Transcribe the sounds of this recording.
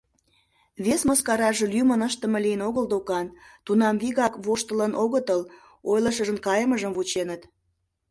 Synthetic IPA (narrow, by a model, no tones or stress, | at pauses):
βesməskɑɾɑʒɤlymənəʃt̪əmə̆lijənoɣəld̪okɑnt̪unɑmβiɣɑkβoʃt̪ələnʔoɣət̪əl | ojləʃ̬əʒə̆nkɑjəməʒəmvut͡ɕenət̪